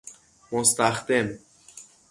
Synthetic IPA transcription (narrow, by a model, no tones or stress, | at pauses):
most̪æxd̪em